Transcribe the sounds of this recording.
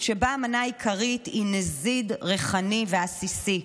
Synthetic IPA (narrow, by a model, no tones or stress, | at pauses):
ʃebaːmanaikʰaʁitinezidʁeχaniveasisi